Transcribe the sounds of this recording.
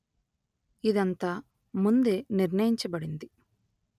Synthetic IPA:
id̪ɐnt̪ɐ | mund̪e̞niɾnɐjiɲt͡ʃɐbɐɽind̪i

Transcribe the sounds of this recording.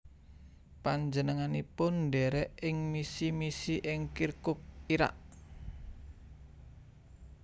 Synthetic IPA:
paɲd͡ʒənəŋanipʊndɛɾɛɪŋmisimisiʔɪŋkirkʊk̚iɾa̰ʔ

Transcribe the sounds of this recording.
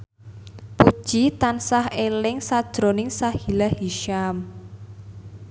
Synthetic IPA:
pu̥ʒ̥it̪ansahelɪŋsad̥ʒ̥ɾonɪŋsahhilahiʃam

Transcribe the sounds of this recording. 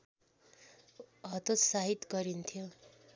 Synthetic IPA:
ɦʌt̪ot̪saɦit̪ɡʌɾint̪ʰjo

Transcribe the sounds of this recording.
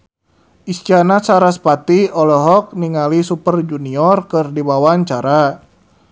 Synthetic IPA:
ʔist͡ʃanasaɾaspat̪iɔlɔɦɔk̚niŋalisupərd͡ʒuniɔrkɨrdibawaɲt͡ʃaɾa

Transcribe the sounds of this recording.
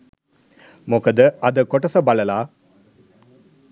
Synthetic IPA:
mokɐd̪əɐd̪əkoʈɐsɐbɐlɐlaː

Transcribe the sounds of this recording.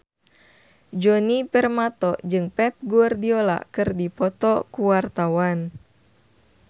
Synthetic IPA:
d͡ʒɔnipɛrmat̪ɔd͡ʒɨŋpɛp̚ɡuardiola̰kɨrdipɔt̪ɔkuwart̪awan

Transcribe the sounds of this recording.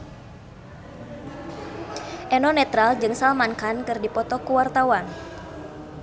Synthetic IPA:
ʔɛnɔnɛt̪ɾald͡ʒɨŋsalmankankɨrdipɔt̪ɔkuwart̪awan

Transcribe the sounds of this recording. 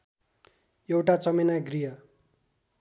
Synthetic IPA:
jewʈat͡sʌmenaɡriɦʌ

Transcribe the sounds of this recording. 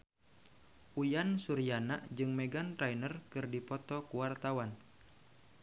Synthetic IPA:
ʔujansuɾijanaʔd͡ʒɨŋmɛɡant̪ɾainərkɨrdipɔt̪ɔkuwart̪awan

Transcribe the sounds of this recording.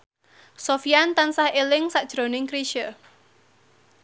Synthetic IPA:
sofiant̪ansahelɪŋsaʔd̥ʒ̥ɾonɪŋkɾiʃə

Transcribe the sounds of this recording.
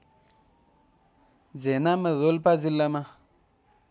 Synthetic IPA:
d͡zɛnaməðolpad͡zilama

